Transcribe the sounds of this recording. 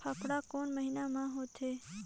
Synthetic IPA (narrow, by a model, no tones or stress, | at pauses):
pʰaːpʰɽaːkoːnməɦinaːmãːɦoːt̪ʰeː